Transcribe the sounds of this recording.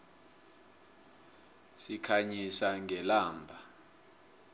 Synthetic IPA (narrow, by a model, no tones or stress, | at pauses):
sikʰaɲisaŋɡʱɛlaːmbʱa